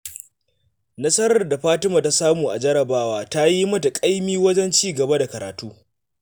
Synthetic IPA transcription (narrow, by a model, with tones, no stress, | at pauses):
nɐ˦sɐ˦ɾɐ˨rda˨ɸaː˦tɪ˦maː˨ta˦saː˦muː˨ʔa̰˨d͡ʒɐ˦ɾɐ˨baː˦waː˦ta˦ji˦mɐ˦ta˨kʼa˦jmiː˦wɐ˦d͡ʒɛ˦nt͡ʃiː˦˨ɡɐ˨ba˦da˨kɐ˨ɾaː˨tuː˦